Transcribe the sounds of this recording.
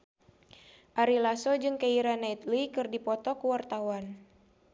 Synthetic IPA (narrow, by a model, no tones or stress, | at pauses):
ʔaɾilasɔd͡ʒɨŋkaiɾanait̪likɨrdipɔt̪ɔkuwart̪awan